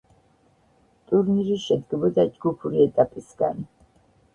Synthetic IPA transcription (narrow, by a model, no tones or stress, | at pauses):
t̪ʼuɾniɾiʃɛd̪ɡɛbɔd̪ad͡ʒɡupʰuɾiɛt̪ʼapʼisɡa̰n